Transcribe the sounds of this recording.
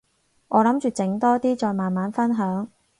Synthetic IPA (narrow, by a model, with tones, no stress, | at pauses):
ŋʔɔː˨˧lɐ˨˥mt͡ʃyː˨t͡sɪ˨˧˥ŋt̪ɔː˥t̪iː˥t͡sɔː˨˧jmaː˨nmaː˨˥nfɐ˥nɦœː˨˥ŋ